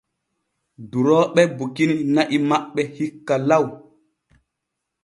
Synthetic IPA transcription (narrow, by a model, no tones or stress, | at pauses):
duɾɔːɓɛbukininaʔimaɓːɛhikːalaw